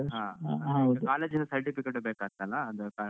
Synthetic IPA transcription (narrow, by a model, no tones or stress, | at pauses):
ɦãːɦɐwd̪ukaːleːd͡ʒinɐsɐɾʈipikeʈubeːkaːɡ̚t̪ːɐlːɐːd̪uka